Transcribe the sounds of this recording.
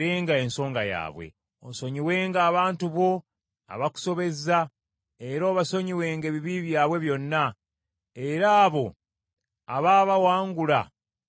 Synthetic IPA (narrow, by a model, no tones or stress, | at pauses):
eːŋɡae̞nso̞ːŋɡaja̰ːβwe̞̰ | o̰so̞ɲiwe̞ːŋɡaːβaːntuβo̞ | a̰βaku̥so̞βe̞za | e̞ɾoːβaso̞ɲiwe̞ːŋɡe̞ːβiβiβjaːβwe̞βjo̞nːa | eɾaːβo̞ | aβaːβawaːŋɡula